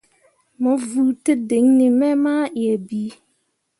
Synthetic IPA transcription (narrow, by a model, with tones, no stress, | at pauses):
mʊ̃˨vu˨tɪ˦dɪ˨˦ŋnɪ̃˨mɛ̃˦mã˦jɛ˨bi˦